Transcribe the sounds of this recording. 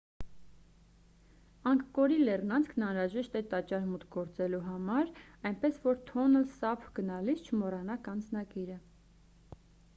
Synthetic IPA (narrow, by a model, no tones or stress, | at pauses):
ɑŋkkɔɾilɛrnɑnt͡skʰnɑnɾɑʒɛʃt̪ɛt̪ɑt͡ʃɑɾmut̪ʰɡɔɾt͡sɛluɦɑmɑɾɑjnpɛsvɔɾt̪ʰɔnəlsɑpʰɡənɑlisʰt͡ʃʰəmɔrɑnɑkɑnd͡znɑkiɾə